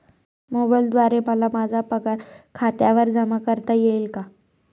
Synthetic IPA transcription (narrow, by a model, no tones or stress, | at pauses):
mobajld̪ʋaɾeməlamad͡zʱapəkaɾkʰat̪jaʋəɾd͡zəmakəɾt̪əjelka